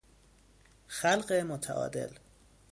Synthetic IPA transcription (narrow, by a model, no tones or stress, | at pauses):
xælɢemot̪ʰæ̰ʔɒ̰ːd̪e̞̰l